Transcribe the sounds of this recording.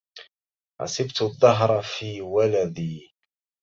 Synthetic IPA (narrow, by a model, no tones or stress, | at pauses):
ʕɑ̰sɪbt̪ʊðˤːɑɦɾˤɑfiːwalad̪iː